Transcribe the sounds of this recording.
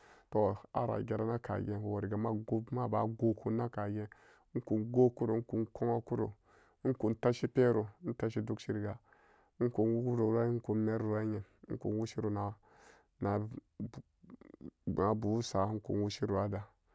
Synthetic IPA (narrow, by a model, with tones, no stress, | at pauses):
to˨˦˨a̰˦ɾa̰˨ɡʲe˨ɾa˦na˦ka̰˨je˦˨wo˨ɾi˨ɡa˨ma˦ɡo˦ma˦ba˨ɡo˦kʰu˦na˦ka˨je˦ | ku˨nɡo˦ku˦ɾu˨˦ku˨nko˦ŋa˦ku˦ɾṵ˨˦ | ku˨nta˦ʃi˦pe˦ɾu˨˦n̩˦ta˦ʃi˦du˦kʃi˦ɾi˨ɡa˨˦ | ŋ̩˦ku˨nwu˦u˦ɾo˨ɾa˦i˦ku˨me˦ɾɾu˨a˦ɲe˨˦ŋ̩˦ku˨nwu˦ʃi˦ɾu˨na˨ | na˨ | a˨bu˨u˦sa˨˦ŋ̩˦kṵ˨nwu˦ʃi˦ɾu˨a˦da˨